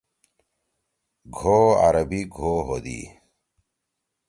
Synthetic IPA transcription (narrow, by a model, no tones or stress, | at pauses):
ɡʱoːa̰ɾɐbiɡʱoːɦod̪ḭː